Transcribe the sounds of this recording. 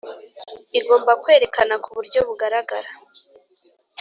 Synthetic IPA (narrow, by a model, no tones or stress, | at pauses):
iɾɡo̞ːmbakwe̞ːɾe̞kanakuβuɾɟo̞βuɡaɾaɡaɾa